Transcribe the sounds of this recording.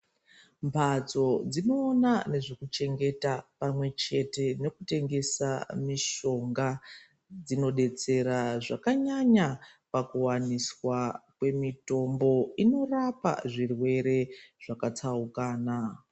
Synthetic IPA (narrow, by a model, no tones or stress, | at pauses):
mpʰad͡zo̞d͡zino̞ːnane̞ʐekut͡ʃe̞ŋɡe̞tapamwe̞t͡ʃe̞te̞ne̞kute̞ŋɡe̞sa̰miʃo̞ŋɡa | d͡zino̞ɗe̞t͡se̞ɾaʐakaɲaɲapakuwaniswakwe̞mito̞mbo̞ino̞rapa̰ʐirwe̞ɾe̞ʐ̥akat͡saukaːna